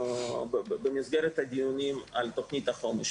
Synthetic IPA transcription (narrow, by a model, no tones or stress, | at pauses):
bbemizɡeɾet̪haɡijunimalt̪o̞χnit̪aχo̞meʃ